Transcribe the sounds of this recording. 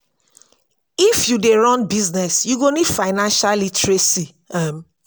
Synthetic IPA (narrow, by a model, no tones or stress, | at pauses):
ifjudeɹɔ̃nbiznɛsjuɡõnid̥faɪnãnʃalitʰɹesi | am